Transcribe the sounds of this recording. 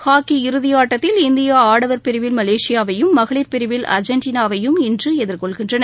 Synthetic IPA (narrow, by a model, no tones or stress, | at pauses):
haːkːiɪɾɯðɪjaːʈːɐt̪ːɪlɪnd̪ɪjaːaːɽɐʋɐɾpɪɾɪʋɪlmɐleːʂɪjaːʋɐjɯmːɐɣɐɭiːɾpɪɾɪʋɪlɐ̰ɾd͡ʒɛɳʈiːnaːʋɐjɯmɪndrɯɛðɪɾkɔɭɣɪndrɐnɐ